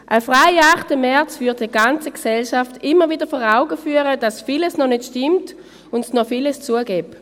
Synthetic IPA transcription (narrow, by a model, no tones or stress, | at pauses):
ʔəfʁaɪaχtəmɛɐt͡svyɐt̚diɡant͡səksɛlʃaftɪmːəviːdəɐfɔːʁaʊɡəfyːəʁəd̥asfiləsnɔnɪtʃtɪmt | ʊndsnɔfiləst͡suəɡɛp